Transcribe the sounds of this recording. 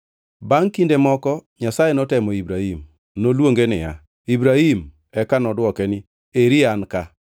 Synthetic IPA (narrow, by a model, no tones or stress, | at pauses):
baŋkindemɔkɔɲasajenɔtɛmɔibɾahim | nolwoŋɡenɪja̰ | ibɾahim | ɛkanɔdwɔkɛnɪ | eɾianka